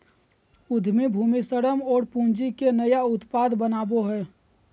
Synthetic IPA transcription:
ʊd̪ʱmibʱuːmisəɽəmɔːɾpũnd͡ʒikenəjaʊt̪paːd̪ʱbənaːboɦɛː

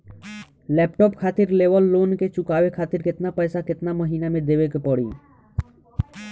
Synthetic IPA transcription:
lɛːp̚ʈɔːpkʰaːt̪ɪɾleːʋəlːoːnket͡ʃʊkaːʋekʰaːt̪ɪɾkɪt̪napəjsakɪt̪naməɦiːnamẽd̪eːʋekepəɽḭː

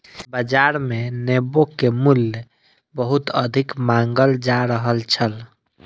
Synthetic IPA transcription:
bəd͡ʒaɾmenebokːemulj | bəɦut̪əd̪ʱikmãŋɡəld͡ʒaɾəɦəlt͡ʃʰəl

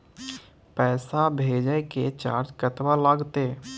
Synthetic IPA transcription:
pɛːsabʱeːd͡ʒəjket͡ʃa̰ːɾd͡ʒkət̪walaːɡt̪eː

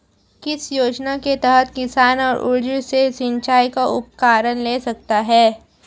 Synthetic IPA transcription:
kɪsjoːd͡ʒnaket̪ɛɦət̪kɪsaːnɔːɾʊ̰ɾd͡ʒəsesɪ̃ɲt͡ʃaːjkaʔʊp̚kaːɾənleːsɐk̚t̪aɦɛː

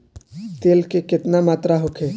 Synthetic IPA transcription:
t̪eːlkekɪt̪namaːt̪ɾaɦokʰeː

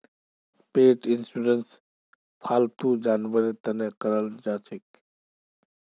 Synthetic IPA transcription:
peːʈɪnsuɾəns | pʰaːlt̪uːd͡ʒaːnʋəɾit̪ɐnekɐɾəld͡ʒaːt͡ʃʰɪk

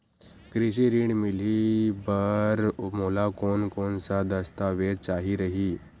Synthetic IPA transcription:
kɾisiɾiːɳmilibəɾmolakonkonsad̪əst̪aʋed̪̚t͡ʃaɦiɾəɦiː

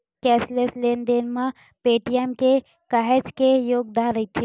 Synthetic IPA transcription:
kɛːslesleːnd̪eːnmã | peːʈijɛmke | kaːɦed͡ʒkejoːɡ̚d̪ãːɾɐɦit̪ʰe

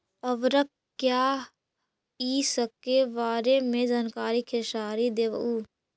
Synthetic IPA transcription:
əʋɾək | kjaː | iːsəkːeʋaːɾemẽd͡ʒaːnkaːɾikʰeʃaːɾid̪eːʋə̰uː

